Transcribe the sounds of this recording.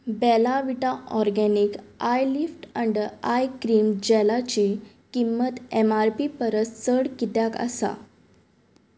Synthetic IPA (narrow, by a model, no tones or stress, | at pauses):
bɛlaʋiʈaʔɔɾɡɛnikajlifʈəɳɖəajkɾiːmd͡ʑɛlat͡ɕi | kimːət̪emaɾpipəɾəst͡səɽkit̪jakə̰sa̰